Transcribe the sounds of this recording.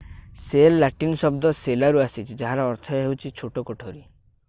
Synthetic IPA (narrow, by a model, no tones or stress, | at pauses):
selːaʈinɔsɔbd̪ɔselaɾuasit͡ʃʰid͡ʒaɦaɾɔːɾt̪ʰɔɦewt͡ʃʰit͡ʃʰoʈokoʈʰoɾi